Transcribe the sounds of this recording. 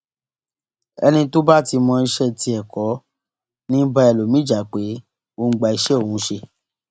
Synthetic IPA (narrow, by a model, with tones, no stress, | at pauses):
ɛ̰˧nĩ˧to˦ba˦˨ti˧mɔ̃˧i˧ʃɛ˦ti˧ɛ˨kɔ˨˦ | nĩ˦ba˧ɛ˨lo˨mĩ˦d͡ʒa˨˦˨k͡pe˨˦ | o˧ŋ̩˦ɡ͡ba˧i˧ʃɛ˦o˦˨hũ˨˦ʃe˧